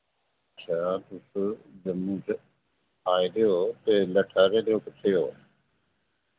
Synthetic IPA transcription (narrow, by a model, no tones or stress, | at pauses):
ətːʃʰaːt̪ʊsd͡ʒəmũd͡ʒ | aːiɾeoːt̪eːləʈʰaːɾeːɾeoːpɪʈʰːeːoː